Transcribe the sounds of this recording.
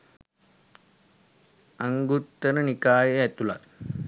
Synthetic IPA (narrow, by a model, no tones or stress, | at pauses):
ɐŋɡut̪ːɐnənikaːjeet̪ula̰